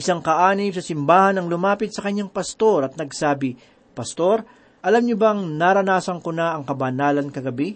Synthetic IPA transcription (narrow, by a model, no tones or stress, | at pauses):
ʔɪsaŋkɐʔaːnɪmsɐsɪmbaːhɐnɐŋlʊmaːpɪt̪̚sɐkɐɲːaŋpɐst̪o̞ɾɐt̪̚nɐɡsaːbɪ | pɐst̪o̞ɾ | ʔɐlamɲʊbɐŋnaɾɐnaːsɐŋkonaʔɐŋkɐbɐnaːlɐnkɐɡɐbi